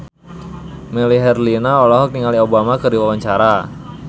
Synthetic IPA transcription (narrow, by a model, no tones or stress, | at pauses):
mɛliɦɛrlinaolɔɦɔk̚niŋaliobamakərdiwawaɲt͡ʃaɾa